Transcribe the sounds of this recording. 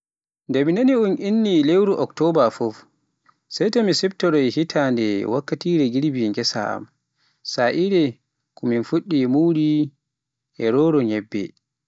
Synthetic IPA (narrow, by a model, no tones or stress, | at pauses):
ndeminaniunʔinːilewɾuʔɔktɔbafɔf | sɛjtomisɛbtɔɾɔjhitʰandɛwakːatiɾɛɡiɾbiŋɡɛsa̰a̰m | saʔiɾɛ | kʰɔminfuɗːimuɾi | ʔɛɾɔɾɔɲɛbːɛ̰